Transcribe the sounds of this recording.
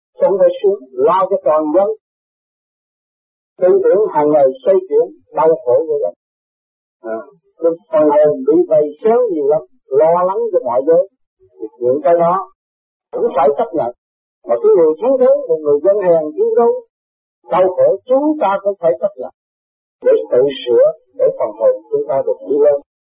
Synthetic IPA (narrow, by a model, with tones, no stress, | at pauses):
xə˧˩wŋ͡mfaː˧˦jsu˨˦˥ŋlɔ˧t͡ɕɔ˧t̪ɔː˨˩nzə˧n | t̪i˧ŋt̪i˧˩ənɦaː˨˩ŋːa˨˩jsə˧jt͡ɕwḭ˧˨ən | ɗə˧wxo˧˩ku˧˩˦zə˨˧˩ | ʔaː˨˩ | kɨ˧˩fə˨˩nho˨˩mɓḭ˧˨va˨˩jsaː˨˦wɲi˨˩əwla˨˦m | lɔ˧la˨˦ŋt͡ɕɔ˧mɔ̰˧˨jzəː˨˦j | t̪ʰi˨˩ɲḭ˧˨əŋkaː˨˦jɗɔ˨˦ | kʊ̰˧˥ŋ͡mfaː˧˩jt͡ɕə˦˥t̚ɲə̰˧˨n | maː˨˩ki˨˦zə˨jt̪ʰi˨˦əŋt̪i˨˦wmo˨˩t̚ŋɨ˨˩əjzə˧nhaː˨˩ŋt̪i˨˦ənzə˨˦ | ɗə˧wxo˧˥t͡ɕʊ˨˦ŋ͡mt̪aː˧kʊ̰˧˥ŋ͡mfʰaː˧˩jt͡ɕə˦˥t̚ɲə̰˨n | ɗe˧˩t̪ɨ̰˧˨sɨ̰˧˥ə | ɗe˧˩fə˨˩nho̰˨˩ŋ͡mt͡ɕʊ˨˦ŋ͡mt̪aː˧ɗɨ˨˩ək̚ɲḭ˧˦ləː˧n